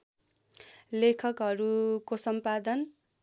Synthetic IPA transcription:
lekʰʌkɦʌɾukosʌmpad̪ʌn

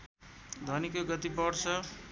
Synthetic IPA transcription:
d̪ʱʌnikoɡʌt̪ipʌɽt͡sʰʌ

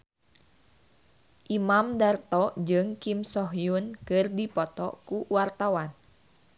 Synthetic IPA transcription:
ʔimamdart̪ɔd͡ʒɨŋkimsɔɦjunkɨrdipɔt̪ɔ̰kuwart̪awan

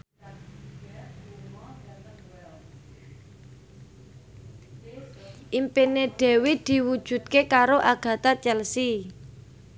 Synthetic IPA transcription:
ʔimpineɖ̥ɛ̤wid̪̥i̤wud̥ʒ̥ṳt̪̚kekaɾoʔaɡ̥ä̤t̪at͡ʃɛlsi

